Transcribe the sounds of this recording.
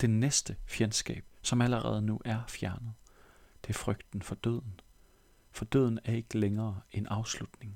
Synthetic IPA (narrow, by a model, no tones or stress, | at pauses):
d̥e̝nesd̥əfjensɡ̥ɛ̰ːb̥sɒ̽mæləʁɛ̰ːð̞ˠnuʔæɐfjæɐnəð̞̩ˠ | d̥ʰe̝fʁœɡ̥d̥n̩fɒ̽d̥øð̰ˠn̩ | fɒ̽d̥ø̰ðˠn̩æɐe̝ɡ̥əleŋɐːe̝nɑ̈ʊslud̥ne̝ŋ